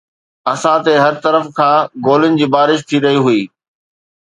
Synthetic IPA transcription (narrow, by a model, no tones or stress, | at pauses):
ɐsãt̪eɦɐɾt̪ɐɾəfkʰãːɡoːlɪʊnɪ̆d͡ʑiːbaːɾɪʃt̪ʰiɾɐɦiɦuiː